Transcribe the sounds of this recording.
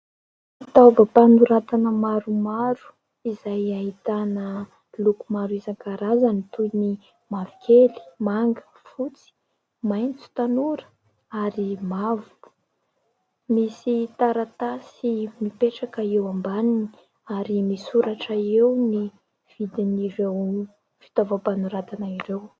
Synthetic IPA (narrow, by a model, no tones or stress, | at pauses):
t̪awvapanuɾat̪anəmaɾumaɾu̥ | izajaɦit̪anə | lukumaɾuizaŋkaɾazanit̪uni | mavi̥kʰʲeli̥maŋɡə̥ | fut͡si̥ | majnt͡su̥t̪anuɾə̥ | aɾimavu̥ | misit̪aɾat̪asimipeʈ͡ʂakaewambanini̥ | aɾimisuɾaʈ͡ʂəewni | v̥id̪iniɾew | fi̥t̪ovapanuɾat̪anaiɾew